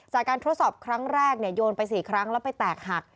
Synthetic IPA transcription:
t͡ɕaː˨˩kːaː˧nt̪ʰu˦˥t̪sɔː˨˩p̚kʰɾa˦˥ŋɾɛː˥˩k̚ni˥˩əjoː˧npa˧jsiː˨˩kʰɾa˦˥ŋlɛ˦˥pa˧jt̪ɛː˨˩k̚ha˨˩k̚

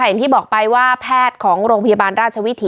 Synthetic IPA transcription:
a˧˩jŋt̪iː˥˩bɔː˨˩k̚pa˧jwaː˥˩pʰɛː˥˩t̪̚kʰɔː˩˦ŋɾoː˧ŋpʰa˧jaː˧baː˧nɾaː˥˩t̪̚t͡ɕʰa˧wi˦˥t̪ʰiː˩˦

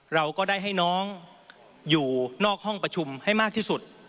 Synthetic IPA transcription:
ɾa˧wkɔː˥˩daː˥˩jɦa˥˩jnɔː˦˥ŋ | juː˨˩nɔː˥˩k̚hɔ˥˩ŋpɾa˧t͡ɕʰu˧mha˥˩jmaː˥˩k̚t̪ʰiː˥˩su˨˩t̪̚

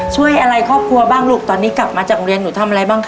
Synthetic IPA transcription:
t͡ɕʰu˥˩əjʔa˧ɾa˧jkʰɔː˥˩p̚kʰɾu˧ɐbaː˥˩ŋluː˥˩k̚t̪ɔː˧nːiː˦˥kla˨˩p̚maː˧t͡ɕaː˨˩kɾi˧ənːuː˩˦t̪ʰa˧mʔa˧ɾa˧jbaː˥˩ŋkʰ

